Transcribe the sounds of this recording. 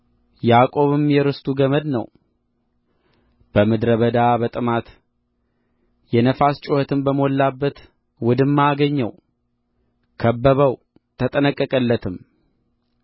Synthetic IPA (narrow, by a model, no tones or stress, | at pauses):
jakʼo̞βɨmjɛɾɨst̪ʰʼuɡəməd̪nə̰w | b̥əmɨd̪ɾəβəd̪abət̪ʼɨmat̪ | jɛnəfast͡ʃʼohət̪ʰɨmbəmolːabːət̪ | wʊd̪ɨmːaɡəɲːə̰w | kʰəbːəβəw | t̪ʰət̪ʼənəkʼːəkʼəlːət̪ʰɨm